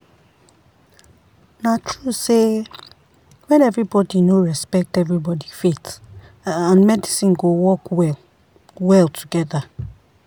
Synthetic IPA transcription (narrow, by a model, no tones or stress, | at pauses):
natʰɹuse | wɛ̃nɛvɹibɔdinoɹɛspɛk̚tɛvɹibɔdifet | ãnmɛdisĩnɡowɔkɛ | wɛlˠtʰuɡɛða